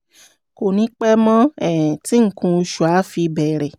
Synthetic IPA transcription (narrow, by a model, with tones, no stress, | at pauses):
ko˨nĩ˨˦k͡pɛ˦mɔ̃˦ɛ˨ti˨˦ŋ̩˦˨kũ˧u˧ʃu˨a˨˦fi˧bɛ˨ɾɛ˨